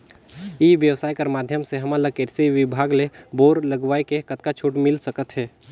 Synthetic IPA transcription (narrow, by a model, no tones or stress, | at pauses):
iʋjəʋsaːjkəɾmaːd̪ʱjəmseɦɐmaləkeɾseʋɪbʱaːɡleboːɾləɡʋaːekekət̪̚kat͡ʃʰuːʈmɪlsəkət̪ɦɛː